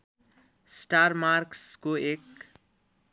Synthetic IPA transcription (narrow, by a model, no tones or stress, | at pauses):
sʈarmarkskoek